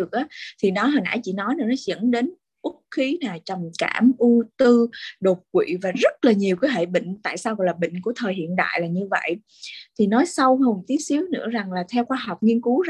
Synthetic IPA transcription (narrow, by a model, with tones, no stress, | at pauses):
ɨ˨˩ək̚ʔaː˨˦t̪ʰi˨˩nɔ˨˦ɦaː˨˩na̰ː˧˩jt͡ɕḭ˧˥nɔ˨˦jnaː˨˩nɔ˨˦zə̰˧˥nɗe˨˦n | ʔʊ˦˥k̚xi˨˦naː˨˩t͡ɕɔ˨˩ŋ͡mka̰ː˧˩mʔu˧t̪ɨ˧ɗo˨˩t̚kwḭ˧˨vaː˨˩zə˦˥t̚laː˨˩ɲi˨˩əwkəː˨˦jɦḛ˧˨ɓḭ˧˨ŋ̟t̪a̰ː˧˨jsaː˧wɣɔ̰˧˨jlaː˨˩ɓḭ̈˧˨ŋ̟ku˧˩ət̪ʰəː˨˩jɦḭ˧˨ənɗa̰ː˧˨jlaː˨˩ɲɨ˧və̰˧˨j | t̪ʰi˨˩nɔ˨˦jsa˧who˨˩˨ŋ͡mt̪i˨˦ət̚si˨˦əwnɨ̰˧˥əza˨˩ŋlaː˨˩t̪ʰɛ˧wxwaː˧ɦɔ˨˩wk͡p̚ŋi˧ənku˨˦